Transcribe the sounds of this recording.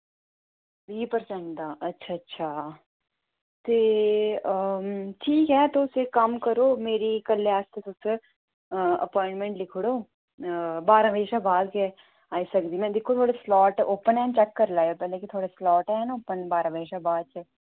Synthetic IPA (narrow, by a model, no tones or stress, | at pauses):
biːpəɾsə̃ɳʈd̪aːɐtːʃʰaɐtːʃʰa | t̪eː | ʈʰiːkɦɛːt̪oʊsekɐmkɐɾoːmeːɾikɐlːeaːst̪esose | ɐ̰pɔ̃ːɪ̃ɳʈmẽɳʈlɪkʰɽoː | baːɾə̃ʋeːʃabaːd̪ke | aːisɐkd̪imɛ̃d̪eːkʰot̪ʰoːɽeslɔːʈʔoːpənɛ̃ːnt͡ʃɛkːɐɾlaːjopɛːlẽkit̪ʰoːɽeslɔːʈɦɛɦɛnaoːpənbaːɾə̃ʋeːʃabaːd̪t͡ʃɐ